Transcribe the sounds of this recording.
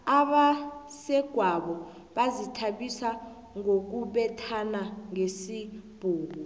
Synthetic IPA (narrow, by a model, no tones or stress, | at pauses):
aɓa | sɛɡ̥ʱwaɓɔ | ɓazitʰaɓisa | ŋok̬uɓɛtʰanaŋesib̥ʱuːku